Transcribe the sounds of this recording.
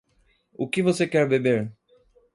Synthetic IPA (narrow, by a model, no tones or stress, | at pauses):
ʊkɪvosekɛɾbebeɾ